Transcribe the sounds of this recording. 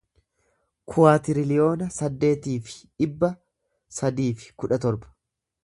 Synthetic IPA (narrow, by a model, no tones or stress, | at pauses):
kʰʊwaːt̪ɪɾɪlɪjo̞ːnɐsɐd̪ːe̞ːt̪iːfɪ̥ | ɪbːɐ | sɐd̪iːfɪ̥kʊᶑɐt̪ɔɾbɐ̥